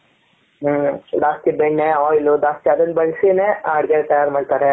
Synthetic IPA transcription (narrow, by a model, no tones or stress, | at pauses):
d̪aːst̪ibeɳːeɔːjlud̪aːst̪iɐd̪ɐnbɐɭsineːaːɽɡet̪ɐjaːɾmaːɖt̪aːɾe